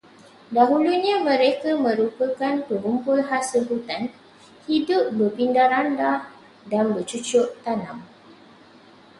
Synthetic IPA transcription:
daɦuluɲãmə̃ɾekamə̃ɾupəkankəɡumpʊlɦasɪlɦut̪an | hidʊp̚bərpindaɾanda | danbət͡ʃut͡ʃʊʔt̪anãm

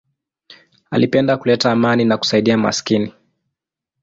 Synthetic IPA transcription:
a̰lipɛndakulɛtaːmaninaku̥saiɗiama̰skini

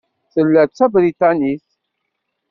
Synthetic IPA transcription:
θəlːæt͡sːæbɾit̪aniθ

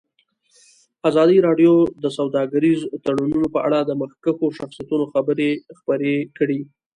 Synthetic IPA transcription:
azɑd̪iɾɑɖjod̪əsawd̪ɑɡaɾizt̪aɽununopəʔa̰ɽad̪əməxkəxoʃaxsijat̪unoxabəɾexpəɾekɽi

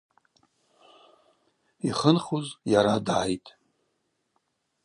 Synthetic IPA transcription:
iχənχuzjaɾadʕajtʼ

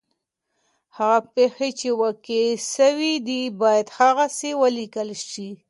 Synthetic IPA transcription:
haɣapexet͡ʃewəkiʃəwid̪ibɑjad̪haɣasewəlikəlʃi

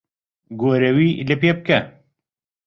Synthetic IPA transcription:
ɡoːɾewiːlepjep̚kɐ

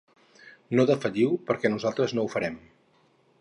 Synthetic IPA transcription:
noðəfəʎiwpəɾkɛnuzalˠt̪ɾəznoufəɾɛm

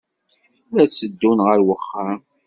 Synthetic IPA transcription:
uɾæt͡sːəd̪ːunʁəɾwəχːa

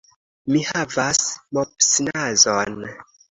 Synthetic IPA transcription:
mihavasmopsinazon

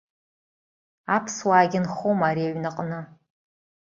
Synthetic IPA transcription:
apʰswaːɡʲɪnχomaɾiaɥnaqʼnɨ

